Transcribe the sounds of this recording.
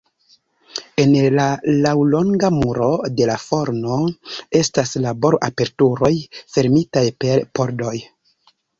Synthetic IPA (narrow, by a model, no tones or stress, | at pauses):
e̞nlalawlo̞ŋɡamuɾo̞de̞lafo̞ɾno̞e̞staslabo̞ɾoʔape̞ɾtuɾo̞jfe̞ɾmitajpe̞ɾpo̞ɾdo̞j